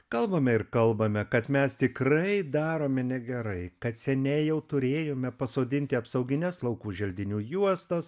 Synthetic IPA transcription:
kɐlˠbɐmʲɛɪɾkɐlˠbɐmʲɛkɐt̪mʲɛst̪ʲɪkɾɐɪd̪ɑːɾoːmʲɛnʲɛɡʲɛɾɐɪkɐt̪sʲɛnʲɛɪjɛʊt̪ʊɾʲeːjoːmʲɛpɐsoːd̪ʲɪnʲt̪ʲɪɐpsɐʊɡʲɪnʲɛslˠɐʊkuːʒʲɛlʲd̪ʲɪnʲuːjuɔst̪ɐs

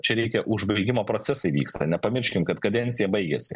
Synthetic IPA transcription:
t͡ʃʲɛɾʲɛɪkʲɛʔʊʒbɐɪɡʲɪmoːpɾoːt̪sʲɛsɐɪʋʲḭːkst̪ʰɐnʲɛpɐmʲɪɾʲʃʲkʲɪmkɐt̪kɐd̪ʲɛnʲsʲɪjɛbɐɪɡʲɛsʲɪ

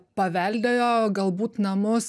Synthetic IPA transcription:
pɐʋʲæˑlʲd̪ɐjoːɡɐlˠbuːt̪nɐmʊs

